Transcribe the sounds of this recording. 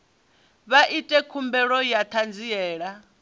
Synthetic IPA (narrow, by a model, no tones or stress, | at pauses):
βaʔitʼɛkʰumbɛɺɔjat̪ʰand͡ziɛːɺa